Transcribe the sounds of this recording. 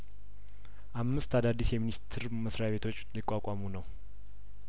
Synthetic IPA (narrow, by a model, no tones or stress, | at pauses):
ʔamːɨst̪ʰad̪ad̪ːisjɛminist̪ʰɨɾməsɾajaβe̞t̪ʰo̞t͡ʃːlɨkʼːakʷʼamunəw